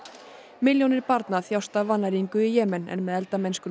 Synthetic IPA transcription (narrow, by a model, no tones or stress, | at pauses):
mɪljownɪɾ̥paɾt̪naθjawst̪avanːaɾiŋkʏijɛːmɛnɛ̰nmɛðɛlt̪amɛjnskʏ